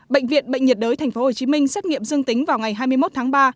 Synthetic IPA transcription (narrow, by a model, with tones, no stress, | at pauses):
ɓə̰˧˨jŋ̟vḭ˧˨ənɓə̰˧˨jŋ̟ɲə˨˩t̚ɗəː˨˦jt̪ʰɛ˨˩ŋ̟fo˨˦ho˨˩t͡ɕi˨˦mï˧ŋ̟sɛ˦˥t̚ŋḭ˧˨əmzɨ˧əŋt̪ï˨˦ŋ̟vaː˨˩wŋa˨˩jɦaː˧jmɨ˧əjmo˦˥t̚t̪ʰaː˨˦ŋɓaː˧